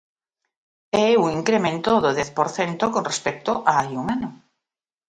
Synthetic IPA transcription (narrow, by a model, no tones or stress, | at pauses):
ɛuŋiŋkɾemẽnt̪oðoðɛθpoɾθent̪okonrespɛk̚t̪oʔaajuŋanʊ